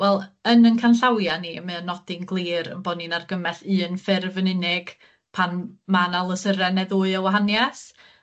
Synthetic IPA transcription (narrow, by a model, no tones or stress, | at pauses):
wɛlˠənənkʰanɬawjanimɨənɔdɪnɡlˠiːɾə̰nbɔninarɡəmɛθɨːnfɪrvənɪnɪɡ̥ | pʰanmanalˠəsəɾɛnɛðuːɨəwaɦanjɛs